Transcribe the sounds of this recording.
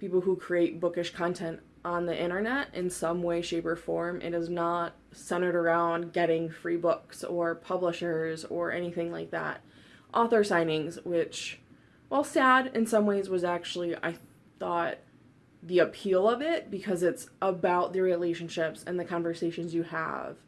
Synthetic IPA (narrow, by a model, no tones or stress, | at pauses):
pipl̩ˠhukʰɹ̥ieɪt̚b̥ʊkɨʃkʰɑ̃ntʰɛ̃nt | n̩ðiʔɪ̃ɾ̃ə˞nɛɾʔɨ̰̃nsʌ̃mweɪʃeɪpə˞fɔɹmʔɪ̰ɾɨznət̚sɛ̃ɾ̃ə˞ɾə˞ãʊ̃nɡɛɾɪ̃ŋfɹibʊksə˞pʰʌbləʃə˞zə˞ʔɛñiθɪ̃ŋlaɪk̚ðæ̰t̚ | ʔɔθə˞sãɪ̃ñɪ̃ŋzwɪt͡ʃ | wʔɛlˠsæɾɨ̃nsʌ̃mweɪzwʌzæk̚t͡ʃul̩ˠiʔa̰ɪ | θɔt̪̚ | ðiɨpʰilˠʌvɪt̚b̥ɨkʰʌzɨtsʔəbaʊt̪̚ðɨɹileɪʃɨ̃n̩ʃɪpsɨ̃nðɨkʰɑ̃ɱvə˞seɪʃɨ̃nzjɨə̰v̥